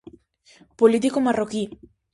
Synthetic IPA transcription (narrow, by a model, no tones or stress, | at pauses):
polit̪̬ikomaroki